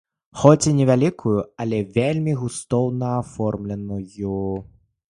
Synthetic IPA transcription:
xɔt͡sʲinʲɛvʲalʲikʰujuɐlʲɛvʲelʲmʲiɣust̪ɔwnɐːfɔrmlʲɛnuju

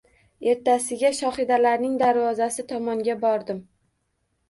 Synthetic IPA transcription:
e̞ɾt̪asɪɡʲaʃɒχɪd̪alaɾnɪŋd̪aɾvɒzasɪt̪ʰɒmɒŋɡʲabɒɾd̪ɪm

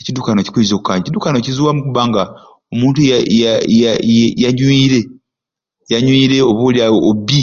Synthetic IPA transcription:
ecidukanoci̥kuizokukaːɲecidukanocizuwamukuβaːŋɡa | omuːntujaajajaɲwiːɾe | jaɲwiːɾe̞oβoljaːbi

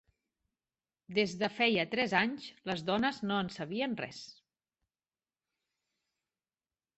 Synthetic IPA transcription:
d̪ezðəfɛjət̪ɾɛzaɲzləzðɔnəznoənsəβ̞iənrɛ̰s

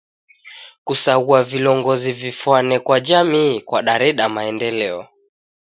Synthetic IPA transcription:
kusauavilɔŋɡɔzivifwanɛkwad͡ʒamiːkwaɗaɾɛɗamaɛndɛlɛɔ

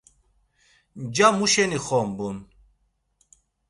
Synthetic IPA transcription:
d͡ʒamuʃɛniχɔmbun

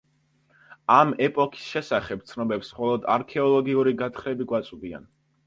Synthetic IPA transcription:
amɛpʼɔkʰi̥sʃɛsaχɛb̚t̪sʰnɔbɛpsχɔlˠɔd̪a̰ɾkʰɛɔlˠɔɡiuɾiɡat̪χɾɛbiɡwat̪sʼubia̰n

